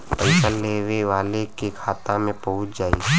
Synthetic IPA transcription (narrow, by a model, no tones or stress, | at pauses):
pəɪsəlːeʋeʋaːlekekʰaːt̪ãmẽpəɦʊt͡ʃd͡ʒaːḭː